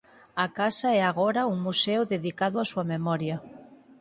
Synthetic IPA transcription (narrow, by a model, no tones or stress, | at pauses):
akasaɛaɣɔɾauŋmuseʊðeðikaðʊasuɐmemɔɾjɐ